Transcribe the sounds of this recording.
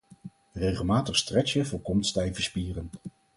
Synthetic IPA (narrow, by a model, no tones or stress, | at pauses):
rejχəlˠmaːtəχstrɛt͡ʃəvʊːɹkɔmtstɛjvəspiːrən